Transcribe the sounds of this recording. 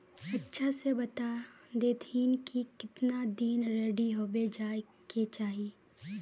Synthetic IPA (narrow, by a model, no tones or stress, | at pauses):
ɐtːʃʰasebɐt̪ad̪eːt̪iːnkikɪt̪nad̪iːnɾeːɖiɦoːbed͡ʒaː | ket͡ʃaːɦiː